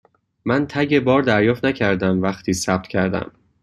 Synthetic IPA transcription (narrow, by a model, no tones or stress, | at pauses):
mænt̪ʰæɟe̞bɒːɾd̪æɾjɒːft̪næcʰæɾd̪æmvæxt̪ʰiːsæb̥̚t̪ʰcʰæɾd̪æ̰m